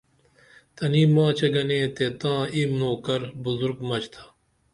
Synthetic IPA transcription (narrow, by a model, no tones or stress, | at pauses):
t̪ɐniːmãːt͡ɕʰɐɡɐnẽːt̪et̪ãːimnoːkɐɾbuzuɾɡmɐt͡ɕt̪ʰḁ